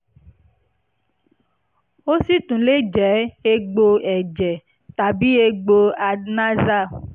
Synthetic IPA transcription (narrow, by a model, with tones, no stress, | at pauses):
o˦si˦tũ˨˦le˦d͡ʒɛ˨˦e˧ɡ͡bo˧ɛ˨d͡ʒɛ˨ | ta˨bi˨˦e˧ɡ͡bo˧a˧na˦za˦˨